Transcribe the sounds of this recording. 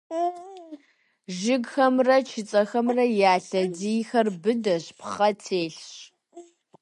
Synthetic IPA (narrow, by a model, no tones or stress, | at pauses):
ʒɪɡxɐmrɐt͡ʃʰɪt͡sʼɐxɐmrɐjaːɬɐdiːxɐrbɨdɐɕpχɐtʰeːɬɕ